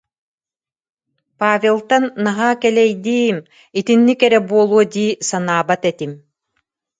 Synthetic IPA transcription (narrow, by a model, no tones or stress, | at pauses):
paːvʲelˠt̪anːaɦaːkɛlɛjd̪iːm | it̪inːikɛɾɛbuɔlˠuɔd̪iːsanaːbat̪ɛt̪im